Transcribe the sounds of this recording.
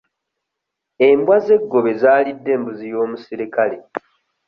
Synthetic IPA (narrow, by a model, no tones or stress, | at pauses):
embwaze̞ɡːo̞βe̞zaːlidːe̞ːmbuzijo̞ːmusiɾikale̞